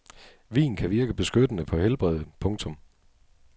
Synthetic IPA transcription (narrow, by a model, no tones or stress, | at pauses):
ʋḭːnkʰæʋiɐɡ̥əb̥e̝sɡ̥ød̥ənəpʰɒ̽helb̥ʁɛð̞ˠəpʰɔ̽ŋt͡sʰɔ̽m